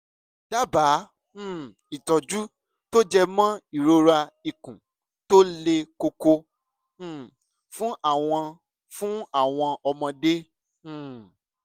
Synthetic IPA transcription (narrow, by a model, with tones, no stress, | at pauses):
d̥a˦bã˨˦˨ | i˨tɔ˨d͡ʒu˦ | to˦d͡ʒɛ˧mã˦i˦˨ɾo˦ɾa˧i˨kũ˨ | to˦le˧ko˧kõ˧˨ | fũ˦ʔa˦˨w̃ɔ̃˧ | fũ˦a˦˨w̃ɔ̃˧ʔɔ˧mɔ̃˧dẽ˦˨